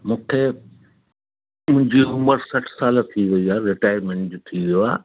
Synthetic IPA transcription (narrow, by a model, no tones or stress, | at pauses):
mũːkʰe | mʊ̃ɪ̃ɲd͡ʑiɦʊ̃məɾsɐʈʰsaːlt̪ʰiʋɐiaːɾɪʈaːjəɾmẽːɳʈd͡ʑot̪ʰiʋijoaː